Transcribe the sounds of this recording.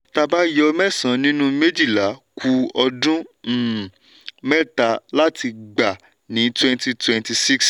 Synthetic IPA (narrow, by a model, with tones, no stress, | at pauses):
ta˧ba˦jɔ˧mɛ˦˨sã˨˦nĩ˦nũ˦me˦d͡ʒi˦˨la˨˦kʰu˧ɔ˧dũ˦˨ | mɛ˦˨ta˨˧la˦tʰi˧ɡ͡ba˨ | nĩ˨˦twɛ̃˦nti˦˧twɛ̃˨nti˧si˦ks